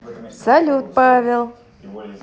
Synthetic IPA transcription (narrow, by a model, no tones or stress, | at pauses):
sɐlʲut̪̚pavʲelˠ